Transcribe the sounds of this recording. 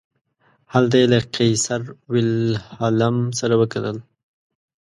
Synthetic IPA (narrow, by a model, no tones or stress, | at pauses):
hald̪ajlaqijsaɾwɪlhalamsaɾawəkat̪əl